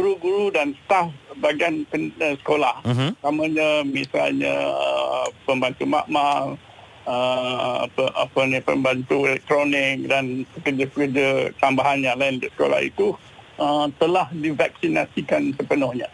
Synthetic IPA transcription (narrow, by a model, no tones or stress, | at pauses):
ɡuɾuɡuɾudansə̥t̪afbaɡanpənsə̥kolaht̪aməɲəmisa̰lɲə̰ə̰pəmbant̪uma̰ʔmaŋ | əa̰əʔa̰pənipə̰mbant̪uelɛk̚t̪ɾonɪk̚danpəkərd͡ʒəpəkərd͡ʒət̪ambaɦanjaŋlaindəsə̥ko̰la̰hḭt̪u | ʔət̪əlahdivak̚sinasikansəpənʊhɲə